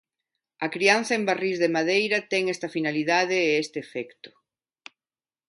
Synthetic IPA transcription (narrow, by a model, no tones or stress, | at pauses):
ɐkɾian̟θɐembarizðemaðejɾɐt̪ɛŋest̪ɐfinaliðað̞eːɛst̪eːfɛkt̪ʊ̥